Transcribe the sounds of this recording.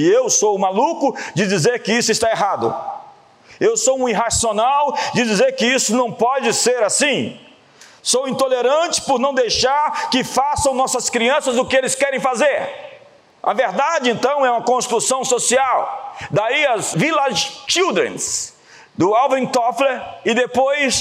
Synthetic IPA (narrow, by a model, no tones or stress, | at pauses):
ɪewsowmalukʊd͡ʒɪd͡ʒizeɾkɪisʊɪst̪aeɦad̪ʊ̰ | ewsowũiɦasionawd͡ʒɪd͡ʒizeɾkɪisʊnɐ̃w̃pɔd͡ʒɪseɾasĩ | sowĩnt̪oleɾɐ̃t͡ʃɪ̥pʊɾnɐ̃w̃d̪ejʃaɾkɪfasɐ̃w̃nɔsɐskɾiɐ̃sɐzʊkɪelɪskɛɾẽj̃fazeɾ | ʔɐ̰veɾd̪ad͡ʒɪẽnt̪ɐ̃w̃ɛũmɐkõst̪ɾusɐ̃w̃sosiawd̪aiɐzvilɐzt͡ʃiwd̪ɾḛ̃s | d̪ʊawvẽt̪ɔfleɾɪd̪epojs